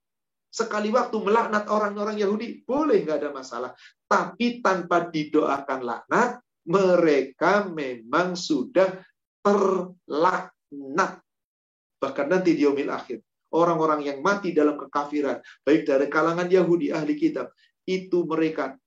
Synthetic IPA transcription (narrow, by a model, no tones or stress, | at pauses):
səkaliwak̚t̪uməlaʔnat̪̚oɾaŋoɾaŋjaɦudib̥olɛhŋɡaːdamasa̰laht̪apit̪anpadidoʔa̰kanla̰ʔnat̪̚ | məɾekamemaŋsudah | t̪ərlaʔ | nat̪̚ | b̥ahkanːant̪idiomɪlʔa̰xɪr | ʔoɾaŋoɾaŋjaŋmat̪idalamkəkafiɾanb̥aɪk̚daɾikalaŋanjaɦudiʔahlikit̪ab̚ | it̪uməɾeka